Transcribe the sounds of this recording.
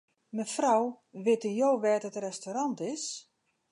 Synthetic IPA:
məfraw | ʋɪtənjowʋɛːtətrɛstoɾɑntɪs

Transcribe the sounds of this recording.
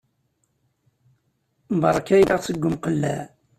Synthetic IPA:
mbɑɾˤɑkæjləʁsəɡʷːəmqəlːæ̰

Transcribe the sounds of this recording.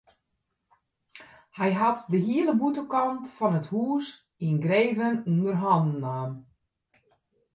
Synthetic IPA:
hɛjɦatdəɦiələbutəkɑntfɔnəthuːs | inɡreːvənundərɦɔndnaːm

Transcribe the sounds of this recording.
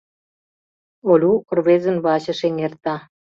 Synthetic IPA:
olʲukŏrβezə̆nβɑɕə̆ʃeŋert̪ɑ

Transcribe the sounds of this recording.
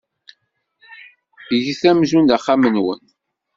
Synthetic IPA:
ʝiθæmzund̪aχːamənwə̰n

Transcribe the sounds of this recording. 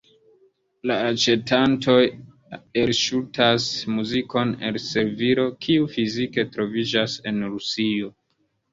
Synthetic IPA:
laːt͡ʃe̞tanto̞j | e̞lʃutasmuziko̞ne̞̰lse̞ɾviɾo̞kʰiufizike̞tɾo̞vid͡ʒase̞nɾusio̞

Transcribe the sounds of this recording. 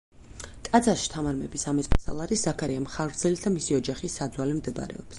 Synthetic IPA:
t̪ʼad̪zaɾʃi̥t̪ʰamaɾmɛbisamɛt̪sʼpʼasa̰lˠaɾiszakʰaɾiamχaɡɾd̪zɛlit̪̚ʰd̪amisiɔd͡ʒaχisːad̪zwalɛmd̪ɛba̰ɾɛ̰ɔps

